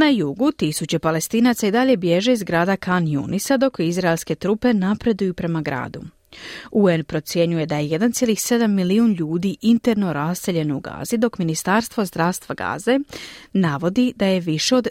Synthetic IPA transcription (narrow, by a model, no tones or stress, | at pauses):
najuɡut̪isut͡ɕe̞pale̞st̪iːnat̪said̪aʎe̞bje̞ʒe̞izɡɾaːd̪akanjṵnisad̪o̞kizɾaelˠske̞t̪ɾuːpe̞napɾe̞d̪ujupɾe̞maɡɾa̰ːd̪u | uenpɾo̞t̪sje̞ɲuje̞d̪aje̞jed̪ant̪sjelixse̞d̪amːiliunʎuːd̪iʔint̪e̞ɾno̞ɾasːe̞ʎe̞no̞uɡa̰ːz̥id̪o̞kminist̪aɾst̪ʋo̞zd̪ɾaʋst̪ʋaɡa̰ːze̞naʋo̞d̪id̪aje̞ʋiʃe̞o̞d̪